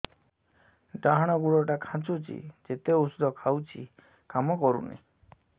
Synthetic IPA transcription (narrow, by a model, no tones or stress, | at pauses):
ɖaɦaɽ̃ɔɡuɽɔʈakʰãt͡ʃut͡ʃʰḭd͡ʒet̪eusud̪ʱɔkʰawt͡ʃʰi | kamɔkɔɾṵnḭ